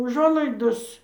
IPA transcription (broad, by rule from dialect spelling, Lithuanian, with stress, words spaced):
ʊˈʒuɔlˠɐɪdoːs